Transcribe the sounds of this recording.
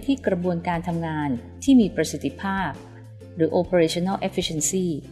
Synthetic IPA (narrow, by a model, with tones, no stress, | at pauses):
jt̪ʰiː˥˩kɾa˧bu˧ənkaː˧nt̪ʰa˧mŋaː˧nt̪ʰiː˥˩miː˧pɾa˧si˨˩t̪ʰːi˧˥pʰaː˥˩p̚ | ɾɯː˩˦˥ʔoː˧pʰa˧ɾeː˧t͡ɕʰo˧na˥˩ʔe˦˥fʰi˧˥˩e˧nsiː˥˩